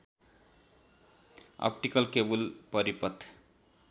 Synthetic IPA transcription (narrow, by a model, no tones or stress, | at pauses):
ɔ̰pʈikʌlkebulpʌɾipʌt̪ʰː